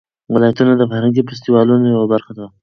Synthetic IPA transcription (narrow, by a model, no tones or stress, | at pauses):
wɪlɑjat̪unad̪əfahɾaŋɡipast̪iwɑlunojawabaɾxad̪aw